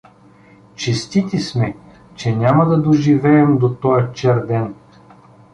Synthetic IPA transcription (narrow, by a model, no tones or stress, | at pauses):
t͡ʃɛst̪it̪ismɛ | t͡ʃɛnʲamɐd̪ɐd̪oʒivɛːmd̪ot̪ɔjɛt͡ʃɛɾd̪ɛn